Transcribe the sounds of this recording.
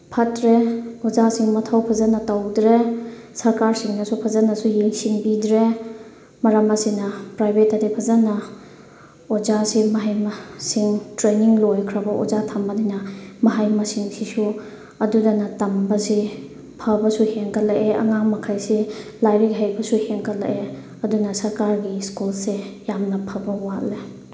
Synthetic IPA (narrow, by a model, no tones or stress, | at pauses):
pʰɐtɾeɔzasiŋmɐtʰawpʰazanɐtawdɾesɐɾkaɾsiŋnɐsupʰazanɐsujeŋsiŋbidɾe | mɐɾamɐsinɐpɾajbʱetːɐdipʰazanɐ | ɔzasimɐɦajmasiŋtɾeniŋlojkʰɾɐbɐʔɔ̰zatʰamadinɐmɐɦajmɐsiŋsʰisu | ɐdudanɐtɐmbɐsi | pʰɐbɐsuheŋkʰɐlɐʔeʔɐ̰ŋaŋmɐkʰajsilajɾikɦajbɐsuheŋkʰɐlɐ̰ʔe | ɐdunɐsɐɾkaɾɡiskulsejamnɐpʰɐbɐwatle